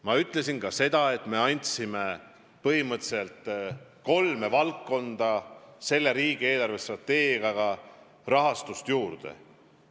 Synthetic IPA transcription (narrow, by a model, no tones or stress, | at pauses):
mɑyt̪ˑle̞sinkɑse̞d̪̥ɑe̞t̪ːˑme̞ɑnʲt̪ʲsime̞ | pɤhimɤt̪se̞lt̪ˑko̞lme̞vɑlkːo̞nd̪̥ɑse̞lːe̞ɾiːɡ̥ie̞ːlɑrve̞st̪rɑt̪ːe̞ːɡiɑɡ̥ɑ | rɑɦɑst̪ust̪juːrd̪̥e̞̰